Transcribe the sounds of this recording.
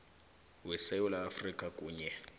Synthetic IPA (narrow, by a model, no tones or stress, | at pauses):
wɛsɛulaːfrikʼakʼuːɲɛ